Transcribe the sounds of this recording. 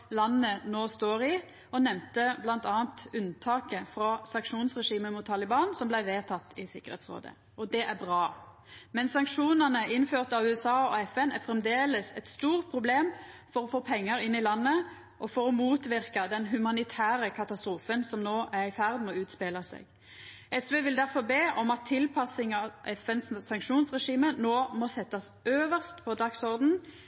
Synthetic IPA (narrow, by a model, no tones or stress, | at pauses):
lɑnːənoːst̪oːɾɪ | ɔnɛmt̪əblɑnt̪ɑːnt̪ʉnt̪ʰɑːkəfɾɑsɑŋkʂuːnsʁɛʂiːməmʊt̪ʰːɑlɪbɑːnsɔmblæɪʋeːt̪ʰɑt̪ːɪsɪkːəʁhḛːt̪sʁo̰ːd̪ə̰ | ɔd̪ɛʔæbʁɑː | mɛnsɑŋkʂuːnənəɪnføːʁt̪ɑʋʉːɛsɑːɔɛfɛnæ̰fɾɛmd̪eːləsɛt̪st̪uːʁt̪̚pʰʁʊbleːmfɔɾɔfoːpʰɛŋːəɾɪnːɪlɑnːə | ʔɔfɔɾɔmuːt̪ʋɪɾkɑd̪ɛnɦʉmɑnɪt̪ʰæːɾəkʰɑt̪ɑst̪ɾuːfənsɔmnoːʔæɾɪfæʁd̪mɔʉːt̪speːlɑsḛːɡ̥ | ʔɛsʋeːʋɪld̪æɾfɔʁbeːʔɔmɑt̪ʰːɪlpʰɑsɪŋɑʋʔɛfɛnsːɑŋkʂuːnsʁɛʂiːmənoːmɔsɛt̪ːɑsøːʋəʁst̪pʰɔd̪ɑksɔɾd̪n̩